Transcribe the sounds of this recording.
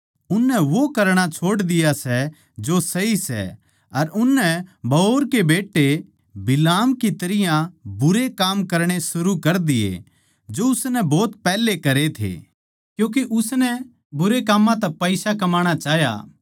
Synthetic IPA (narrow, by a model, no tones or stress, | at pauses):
ʊnːɛʋokɐɾɽ̃at͡ʃʰoːɽd̪ɪjasɛ | d͡ʒosɐɦisɛ̰ | ɐɾʊnːɛbʱɐoːɾkebeːʈːe | bɪlaːmkit̪ɐɾɪjãbʊɾekaːmkɐɾɽ̃esʊɾukɐɾd̪ɪjḛ | d͡ʒoʊsnɛbɔːt̪pɛːlekɐɾet̪ʰḛː | kjũːk̬eʔʊsnɛ | bʊɾekaːmːãt̪ɐpɐɪsakɐmaːɽ̃at͡ʃaːɦja̰ː